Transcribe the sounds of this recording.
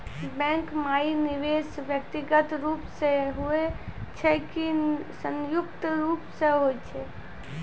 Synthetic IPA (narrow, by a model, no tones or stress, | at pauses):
bɛ̃ːŋkmaːinɪʋeːsʋjək̚t̪ɪɡət̪ɾuːpseɦuet͡ʃʰɛkisə̃ŋjʊkt̪ɾuːpseɦoet͡ʃʰɛ